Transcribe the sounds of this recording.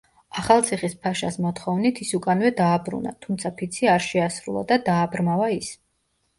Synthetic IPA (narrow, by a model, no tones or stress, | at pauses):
aχalˠt̪sʰiχispʰaʃasmɔt̪χɔvnit̪ʰisukʼanvɛd̪aːbɾṵna̰t̪ʰumt̪sʰapʰit̪sʰiaɾʃɛasɾṵlˠa̰d̪ad̪aːbɾmavais